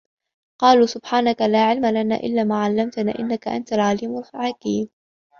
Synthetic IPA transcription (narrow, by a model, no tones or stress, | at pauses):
qɑːluːsʊbħaːnakalaːʕɪlmalana̰ːʔɪ̰lːaːmaːʕalːamt̪na̰ːʔɪnːakaʔa̰nt̪alʕaːlɪmʊlfʕakiːm